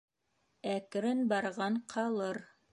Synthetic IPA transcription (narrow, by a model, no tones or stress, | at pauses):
ækɾɘnbɑɾʁɑɴqʰɑlˠɤɾ